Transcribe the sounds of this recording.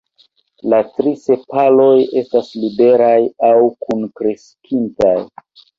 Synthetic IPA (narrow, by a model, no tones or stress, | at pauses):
latɾise̞palo̞je̞staslibe̞ɾajawkunkɾe̞skʰintaj